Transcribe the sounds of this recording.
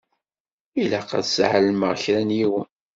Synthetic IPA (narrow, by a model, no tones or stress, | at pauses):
ilæqɑ̰ðsʕəlməʁçɾænjiwən